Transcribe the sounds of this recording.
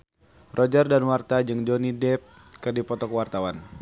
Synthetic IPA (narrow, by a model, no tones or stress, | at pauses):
rʔɔd͡ʒardanwart̪ad͡ʒɨŋd͡ʒɔnidɛp̚ | kɨrdipɔt̪ɔkwart̪awan